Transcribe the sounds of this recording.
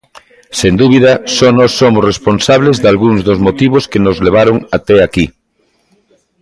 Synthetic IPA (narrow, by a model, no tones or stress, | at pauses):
send̪uβiðɐsɔnɔsːomʊsresponsaβ̞lezðalɣuŋzðozmot̪iβ̞oskenozleβ̞aɾoŋat̪ɛaki